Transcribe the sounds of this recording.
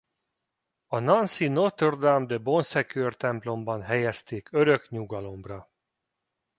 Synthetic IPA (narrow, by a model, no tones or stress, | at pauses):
ɒnɒnsinot̪ørd̪amd̪ɛbo̞nsɛkøːrt̪ɛmplo̞mbɒnɦɛjɛst̪eːkøɾøkɲuɡɒlo̞mrɒ